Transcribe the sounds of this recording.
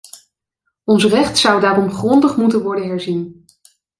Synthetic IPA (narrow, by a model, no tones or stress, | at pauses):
ɔnsrɛχtsʌwdaːrɔmχrɔndəχmutənʋɔɹdənɦɛɹzin